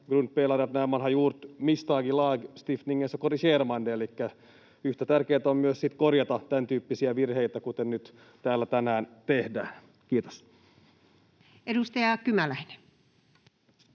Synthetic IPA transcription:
ɡ̥runt̪̚peːlɑriʋɑt̪næːʋʋɑnhɑjuːrt̪mist̪ɑːɡilɑːɡst̪ifniŋːensːækoriseːrmɑndeelikːæ | yht̪æt̪ærkeːt̪æommyøssit̪korjɑt̪ɑt̪ænt̪yːpːisiæʋirheit̪ækut̪ennyt̪ | t̪æːlːæt̪ænæːnt̪ehdæːn | kiːt̪o̥s | ʔedust̪ɑjɑkymælæine

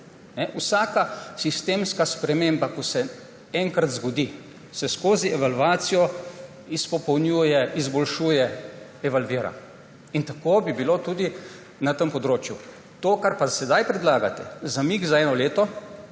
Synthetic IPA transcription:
nɛʔusaːkasist̪eːmskaspɾɛmeːmbakɔsɛ | ɛŋkɾat̪zɡɔd̪i | sɛskoːziʔɛʋalʋaːt̪sijɔ | ispɔpɛwnjuːjɛizbɔlʃuːjɛ | ɛʋalʋiːɾa̰ | int̪akobibilot̪uːd̪i | nat̪əmpɔd̪ɾoːt͡ʃju | t̪okaɾpasɛd̪ajpɾɛd̪laːɡat̪ɛ̰zamiɡzaɛːnɔleːt̪ɔ

